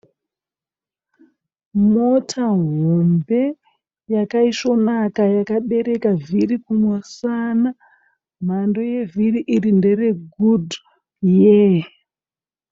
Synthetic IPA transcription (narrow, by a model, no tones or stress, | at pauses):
mo̞tʰaɦombe̞ | jakaiʃo̞nakajakaɓe̞ɾe̞kavirikumwosana | m̤ando̞je̞viriʔirinde̞re̞ɡud | je